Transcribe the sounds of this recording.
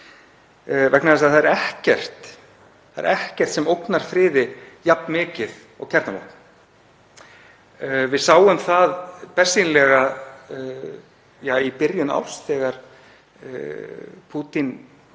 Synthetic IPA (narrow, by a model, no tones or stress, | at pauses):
vɛknaðɛs̬aθaðɛɾɛhcɛr̥t̪ | aðɛɾɛhcɛr̥t̪sɛmowknaɾ̥fɾɪːðɪjapnmɪːcɪð | ɔ̰ɣcʰɛɾt̪nalɔ̰wkn | vɪðsaːwʏmθaðpɛ̥sinlɛɣa | jaːipɪɾjʏna̰wst̪ɛːɣaɾ̥̰ | pʰuːt̪in